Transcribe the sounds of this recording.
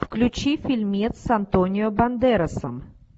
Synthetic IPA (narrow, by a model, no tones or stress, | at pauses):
fklʲʉt͡ɕifʲɪlʲmʲit̪ssɐnt̪onʲɪjɔbɐnd̪ɛɾəsəm